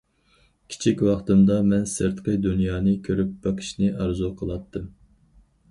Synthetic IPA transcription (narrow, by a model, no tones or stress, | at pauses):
kʲʰi̥t͡ʃʰikʲwɑχt̪ɨmd̪ɑmɛnsɨɾt̪qʰəjd̪unjɑːnɨkʲʰøɾyp̚b̥ɑqʰə̥ʃnɨʔɑɾzuqʰəlˠɑt̪ʰːɨm